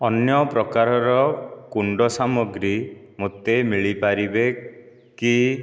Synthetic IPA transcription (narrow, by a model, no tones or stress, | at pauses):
ɔnjɔpɾɔkaɾɔɾɔkuɳɖɔsamɔɡɾi | mot̪emiɭipaɾibe | ki